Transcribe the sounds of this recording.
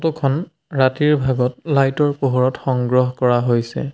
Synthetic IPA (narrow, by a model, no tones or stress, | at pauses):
tukʰɔn | ɹatiɹbʱaɡɔt̚lajtɔɹpoɦɔɹɔtxɔŋɡɹɔɦkɔɹaɦojsɛ̰